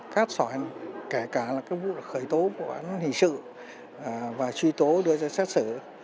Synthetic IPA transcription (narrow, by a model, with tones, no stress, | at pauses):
kaː˦˥k̚saː˧˩˨nke˧˩kaː˧˩laː˨˩kaː˦˥kvṵ˧˨la˨˩xəː˧˩jt̪o˨˦ku˧˩əʔa̰˨˧˦n˦nhḭ˧˨sɨ̰˧˨˩ | vaː˨˩t͡ɕwi˧t̪o˨˦ɗɨ˧əzaː˧sɛ˦˥t̚sɨ˧˩